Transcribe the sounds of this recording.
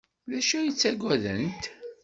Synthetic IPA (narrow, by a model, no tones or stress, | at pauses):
læʃæjit͡sːæɡʷæðənt̪